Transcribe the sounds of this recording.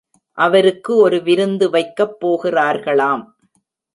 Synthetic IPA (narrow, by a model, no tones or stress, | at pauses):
ʔɐʋɐɾɯkːɯɔɾɯʋɪɾɯnd̪ɯʋɐɪkːɐpːoːɣɪraːɾɣɐɭaːm